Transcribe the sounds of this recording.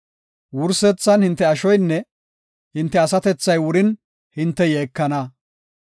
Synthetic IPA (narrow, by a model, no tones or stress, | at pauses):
wʊɾsɛt͡sːɐnhɪnt̪ːɛɐʃɔjnːɛ | hɪnt̪ːɛɐsɐt̪ɛt͡sːɐjwʊɾɪn | hɪnt̪ːɛjeːkːɐnɐ